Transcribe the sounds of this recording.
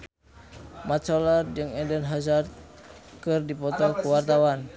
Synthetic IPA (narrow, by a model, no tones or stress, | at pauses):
mat̪t͡ʃɔlard͡ʒəŋɛndənɦazart̪̚kɨrdipɔt̪ɔkuwart̪awan